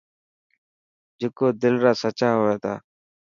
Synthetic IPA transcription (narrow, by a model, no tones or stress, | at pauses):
d͡ʒɪkoːd̪ɪlɾaːsət͡ʃaːɦoːaːt̪ʰa̰ː